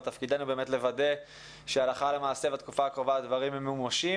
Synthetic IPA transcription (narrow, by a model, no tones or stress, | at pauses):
t̪afkid̪anube̞ːmet̪le̞vade̞ | ʃealaχalemaːse̞vat̪kufaːkʁo̞vad̪vaʁimemːeumaʃi